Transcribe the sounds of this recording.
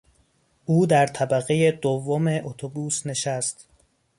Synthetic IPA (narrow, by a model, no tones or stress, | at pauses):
ʔuːd̪æɾt̪ʰæbæɣeje̞d̪ovːome̞ʔot̪ʰobuːsne̞ʃæst̪